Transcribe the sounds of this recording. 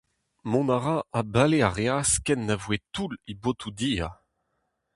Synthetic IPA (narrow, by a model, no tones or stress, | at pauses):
mɔ̃naʁaabaleaʁeaskɛnːavwetulibot̪ʰud̪iːa